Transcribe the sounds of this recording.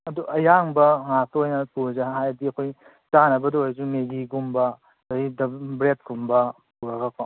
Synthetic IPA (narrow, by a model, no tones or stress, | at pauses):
ɐduʔɐjaŋbɐŋasojnɐpuɾzɐɦajɐdiɐkʰoj | t͡ʃanɐbɐdojzumeɡiɡumbɐ | dɐidɐbɾet̚ɡumbɐpuɾɐɡɐpʰo